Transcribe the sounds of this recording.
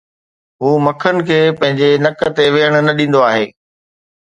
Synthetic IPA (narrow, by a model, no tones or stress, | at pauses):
ɦuːmɐkʰənɪ̆kʰeːpɐ̃ɦɪ̃ɲd͡ʑenɐkt̪eʋeːɦəɽ̃ʊ̆nɐɗĩːn̆d̪oaːɦeː